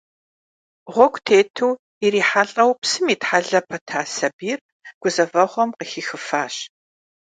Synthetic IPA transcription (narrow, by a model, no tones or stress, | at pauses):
ʁʷɔkʷʰtʰeːtʰuw | iriːħaɬʼɐwpsɨmiːtħaɮɐpʰɐtʰaːsɐbiːr | ɡ̥ʷʊzɐvɐʁʷɔmqəxiːxɨfaːɕ